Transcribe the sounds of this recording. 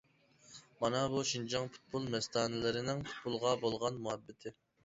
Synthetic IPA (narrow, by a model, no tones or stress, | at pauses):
mɑnɑbuʃind͡ʒɑŋpʰu̥t̪̚bulˠmɛst̪ʰɑːnɨlɪɾɪnɪŋpʰu̥t̪̚bulˠʁɑbolˠʁɑnmuɛbːɪt̪ʰɪ